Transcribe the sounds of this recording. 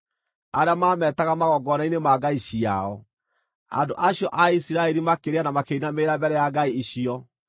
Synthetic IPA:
aɾeamaːmɛtaɣamaɣɔɡɔnainemaɡaiɕia̰ɔ | a̰ndoʔaɕjɔʔaisiɾaɛɾimakeɾeanamakeinameɾabɛɾɛjaɡaiiɕiɔ

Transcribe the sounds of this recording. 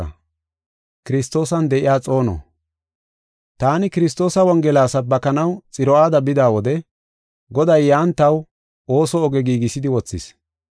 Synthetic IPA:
ɐ | kɪɾɪst̪ːo̞ːsɐnd̪ɛʔɪjaːt͡sʼo̞ːnɔ̰ | t̪aːnɪkɪɾɪs̬t̪o̞ːsɐwɐŋɡɛlaːsɐbɐkɐnɐwt͡sʼɪɾɔaːd̪ɐbɪd̪aːwɔd̪ɛ | ɡɔd̪ɐjːaːnt̪ːɐw | o̞ːsɔːɡɛɡiːɡɪsɪd̪ɪwɔt͡sːɪ̰s

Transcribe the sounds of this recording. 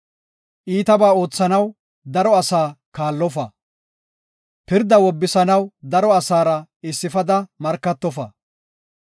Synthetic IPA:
ʔiːt̪ɐbaːo̞ːt͡sːɐnɐw | d̪ɐɾɔɐsaːkaːlːɔfɐ | pɪɾd̪ɐwɔbːɪsɐnɐwd̪ɐɾɔɐsaːɾɐɪsːɪfɐd̪ɐmɐɾkːɐt̪ːɔfɐ̰

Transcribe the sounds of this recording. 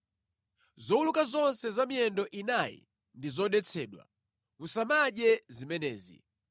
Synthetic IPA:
zɔwulukazɔnsɛzamijɛndɔʔinajḭ | ndizɔɗɛt͡sʰɛ̰ːɗwa̰ | ŋusamaɗɛzimɛnɛ̰ːzḭ

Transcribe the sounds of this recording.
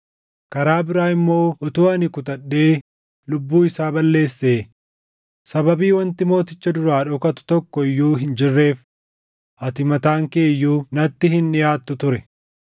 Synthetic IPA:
kɐɾaːbɪɾaːɪmːo̞ːʔɔt̪uːɐnɪkʊt̪ɐɗːe̞ː | lʊbːuːɪsaːbɐlːe̞ːsːe̞ː | sɐbɐbiːwɐnt̪ɪmo̞ːt̪ɪt͡ʃːɐd̪ʊɾaːᶑɔkɐt̪ʊ̥t̪ɔkːɔɪjːuːɦɪnd͡ʒɪrːe̞ːf | ʔɐt̪ɪmɐt̪aːŋkeːjːuːnɐt̪ːɪhɪnːɪjaːt̪ːʊt̪ʊɾɛ

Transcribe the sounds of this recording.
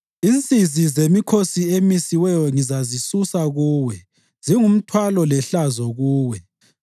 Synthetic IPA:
int͡sʼizizemikʰosiemisiwɛjɔŋizazisusaɣuːwɛ | z̥iŋum̩tʰwalɔlɛɬazɔɣuːwɛ

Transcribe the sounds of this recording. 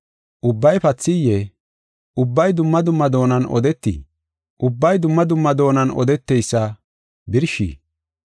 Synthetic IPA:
ʔʊbːɐjpɐt͡sːɪjːɛ | ʔʊbːɐjd̪ʊmːɐd̪ʊmːɐd̪o̞ːnɐnɔ̰d̪ɛt̪ːḭ | ʔʊbːɐjd̪ʊmːɐd̪ʊmːɐd̪o̞ːnɐnɔ̰d̪ɛt̪ːɛjsːɐ | bɪɾʃḭː

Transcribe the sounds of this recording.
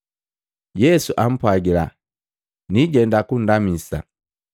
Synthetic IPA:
jɛsuʔam̩pwaɡila̰ | niɟɛndakun̩damisa̰

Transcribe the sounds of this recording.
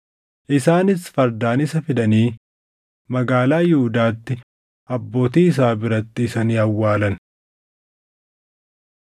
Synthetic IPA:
ʔɪsaːnɪsfɐɾd̪aːnɪsɐfɪd̪ɐniː | mɐɡaːlaːjɪhʊd̪aːt̪ːɪ | ʔɐbːo̞ːt̪iːɪs̬aːbɪɾɐt̪ːɪːsɐniːɐwːaːlɐn

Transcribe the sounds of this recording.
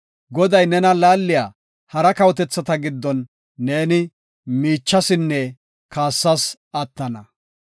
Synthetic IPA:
ɡɔd̪ɐjnɛnɐlaːlːɪjaː | hɐɾɐkɐwɔt̪ɛt͡sːɐt̪ɐɡɪd̪ːɔnː | e̞ːnɪ | miːt͡ʃːɐsɪnːɛ | kaːsːɐs | ɐt̪ːɐnɐ

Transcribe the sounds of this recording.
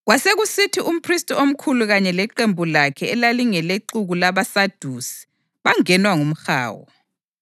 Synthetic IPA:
ɣwaseɣusitʰiʔum̩pʰristʼiom̩kʰuluɣaɲɛlɛǃembʱulakʰɛːlaliŋɛleǀuɣulaβasad̥ʱuːsi̥ | βaŋɛnwaŋum̩xa̰ːwɔ̰

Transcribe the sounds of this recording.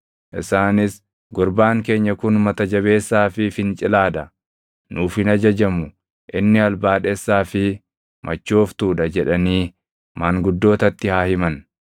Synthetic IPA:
ʔɪsaːnɪs | ɡɔɾbaːŋke̞ːɲːɐkʊnmɐt̪ɐd͡ʒɐβe̞ːsːaːfɪfɪnt͡ʃʼɪlaːd̪ɐ | nuːfɪnɐd͡ʒɐd͡ʒɐmʊ | ʔɪnːɪɐlbaːᶑeːsːaːfɪ | mʔɐt͡ʃːoːft̪uːᶑɐd͡ʒɛᶑɐniː | maːŋɡʊd̪ːo̞ːt̪ɐt̪ːɪhaːhɪmɐn

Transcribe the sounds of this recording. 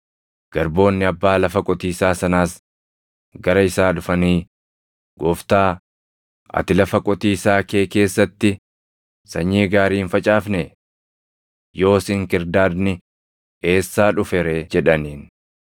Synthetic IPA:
ɡ̥ɐɾbo̞ːnːɪɐbːaːlɐfɐkʼɔt̪iːsaːsɐnaːs | ɡɐɾɐɪsaːᶑʊfɐniː | ɡɔːft̪aː | ʔɐ̰t̪ɪlɐfɐkʼɔt̪iːsaːkeːke̞ːsːɐt̪ːɪ | sɐɲːiːɡaːɾiːnfɐt͡ʃʼaːfnɛ | jo̞ːsɪŋkɪɾd̪aːd̪nɪ | e̞ːsːaːᶑʊfɛɾed͡ʒɛᶑɐniːn

